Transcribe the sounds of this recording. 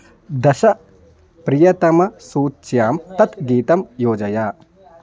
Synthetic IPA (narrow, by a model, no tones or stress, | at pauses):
d̪ɐʃɐ | pɾijɐt̪ɐmɐsuːt͡ʃjaːmt̪ɐt̪ɡiːt̪ɐmjoːd͡ʒɐjaː